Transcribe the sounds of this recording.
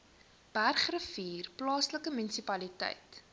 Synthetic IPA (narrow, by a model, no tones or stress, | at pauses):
b̥ærχrəfiːrplɑːsləkəmynisipɐlitɛ̰jt